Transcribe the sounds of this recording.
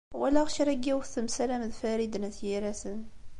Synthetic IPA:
wælæʁəʃɾæɡːiwθəmsælæmðfæɾid̪næθjiɾæsən

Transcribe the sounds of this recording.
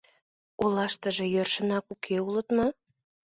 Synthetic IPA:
olɑʃt̪əʒĕjørʃə̆nɑkukʰeulət̪mo

